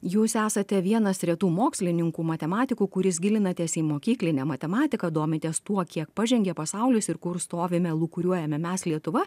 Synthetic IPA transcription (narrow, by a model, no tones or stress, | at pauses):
juːsæːsɐt̪ʲɛʋʲiɛnɐsɾʲɛt̪uːmoːksʲlʲɪnʲɪŋkuːmɐt̪ʲɛmɑːt̪ʲɪkuːkʊɾʲɪs̬ɡʲɪlʲɪnɐt̪ʲeɛːsiːmoːkʲiːklʲɪnʲɛmɐt̪ʲɛmɑːt̪ʲɪkɐd̪uɔmʲɪt̪ʲeːst̪uɔkʲiɛkpɑʒʲɛŋʲɡʲɛpɐsɐʊlʲɪsɪɾkʊɾst̪oːʋʲɪmʲɛlˠʊkʊɾʲuɔjɛmʲɛmʲɛslʲiɛt̪ʊʋɐ